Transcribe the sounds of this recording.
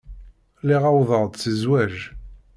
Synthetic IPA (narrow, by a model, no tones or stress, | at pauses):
liʁauvəʁd̪t͡səzwæʒ